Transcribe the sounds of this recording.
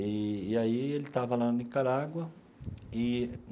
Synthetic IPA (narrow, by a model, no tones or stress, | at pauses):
iiaielit̪avalannikaɾaɡwə | i